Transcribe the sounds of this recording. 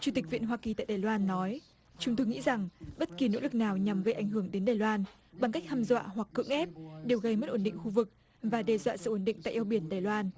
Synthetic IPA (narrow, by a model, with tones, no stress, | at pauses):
t͡ɕu˧˩t̪ï˨˩k̟̚vḭ˧˨ənɦwaː˧ki˨˩t̪aː˧˨ɗaː˨˩jlwaː˧nːɔ˨˦j | t͡ɕʊ˨˦ŋ͡mt̪o˧jŋḭ˧˥za˨˩ŋɓə˦˥t̚ki˨˩no̰˧˥lɨ˨˩k̚naː˨˩wɲa˨˩mɣə˧jʔa˨˩jŋ̟ɦɨ˧˩əŋɗe˨˦nɗaː˨˩jlwaː˧n | ɓa˨˩ŋka˦˥k̚ha˧mzwa̰ː˧˨ɦwa˨˩kːɨ̰˧˥əŋʔɛ˦˥p̚ɗe˨˩wɣə˧jmə˦˥t̚ʔo˧˩nɗḭ̈˧˨ŋ̟xu˧vɨ˨˩k̚ | vaː˨˩ɗɛ˨˩zwa̰ː˧˨sɨ̰˧˨ʔo˨˧˩nɗḭ˧˨ŋ̟t̪a̰ː˧˨jʔi˧wɓi˧˩ənɗaː˨˩jlwaː˧n